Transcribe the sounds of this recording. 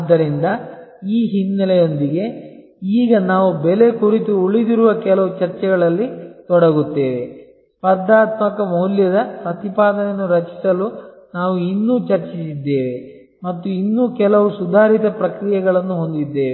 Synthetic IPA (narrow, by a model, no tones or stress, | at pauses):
ɐd̪ːɐɾind̪ɐ | iːɦinːɐlɛjo̞nd̪iɡe̞ | iːɡɐnaːʋubɛle̞kuɾit̪uuɭid̪iɾuʋɐkɛlɐʋut͡ʃɐɾt͡ʃɛɡɐɭɐlːit̪ɔɽɐɡut̪ːe̞ːʋe | pɐɾd̪aːt̪mɐkɐmɐwljɐd̪ɐpɾɐt̪ipaːd̪ɐnɐnːuɾɐt͡ʃi̥sɐlu | naːʋuinːuːt͡ʃɐɾt͡ʃisid̪ːeːʋe̞ | mɐt̪ːuinːuːkɛlɐʋusud̪ʱaːɾit̪ɐpɾɐkɾijɐɡɐɭɐnːuɦo̞nd̪id̪ːe̞ːʋe